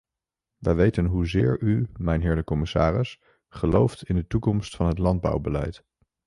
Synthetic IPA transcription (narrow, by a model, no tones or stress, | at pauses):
ʋəjʋejtənɦuzɪːɹymɛjnɦɪːɹdəkɔmɪsa̰ːrɪs | χəlowftɪndətukɔmstfɑnɦətlɑnd̚bɑ̰wbəlɛ̰jt